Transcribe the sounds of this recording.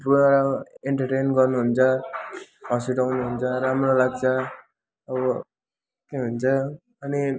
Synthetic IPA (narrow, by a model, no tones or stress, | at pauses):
poaɾaeɳʈʌʈenɡʌrnuɦunt͡sʰʌ | ɦʌ̃siʈawnuɦunt͡sʰʌɾamrolaɡt͡sʰʌ | ʌbʌ | keɦunt͡sʰʌ | ʌni